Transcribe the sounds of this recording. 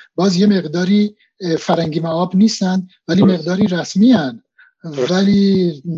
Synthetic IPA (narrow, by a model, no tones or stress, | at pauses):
bɒːzjemeʁd̪ɒːɾi | fæɾhæŋɡimaɒːbniːst̪ænd̪ | væliːmeɣd̪ɒːɾiɾæsmiæn | væli